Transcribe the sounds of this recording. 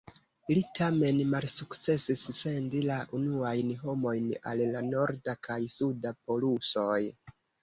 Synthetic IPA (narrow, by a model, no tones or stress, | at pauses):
litʰame̞nmalsukt͡se̞sisːe̞ndilaʔunuajnɦo̞mo̞jna̰llano̞ɾdakajsudapo̞luso̞j